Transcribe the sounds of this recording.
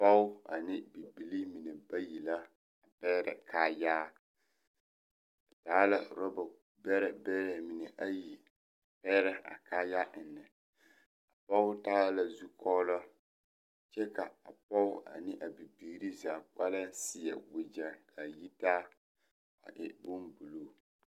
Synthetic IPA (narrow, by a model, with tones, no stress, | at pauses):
pa˦ʊ˦a̰˨nɪ˦bi˨bi˨li˦mi˨nɛ˨ba˦ji˨la˦ | a˨pɛ˦ɾɛ̰˨kʰaː˦jaː˦˨ | taː˦la˦˨ɾɔ˦bɔ˨ | bɛ˦ɾɛ˨bɛː˦ɾɛ˨mi˨nɛ˨ʔa˦ji˨ | a˨pɛ˦ɾɛ˦a̰˨kaː˦ja˦ʔɪ˨nːɪ˨ | a˨pɔ˦ʊ˦taː˦la˦zu˦kʰɔ˦la˦ | t͡ʃɛ˦ka˨a˨pɔ˦ʊ˦ʔa̰˨nɪ˦ʔa˨bi˨biː˨˦ɾi˦zaː˨k͡pa˦la˦sɪ˦jɛ̰˨wɪ˦d͡ʒa˨ŋkʰa˨ji˦taː˦ | a̰˨ʔɪ̰˨bʊ˦nbu˨lo˦